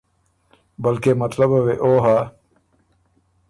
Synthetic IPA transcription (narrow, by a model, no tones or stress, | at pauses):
bɐlkemɐt̪lɐbɐweʔoːɦa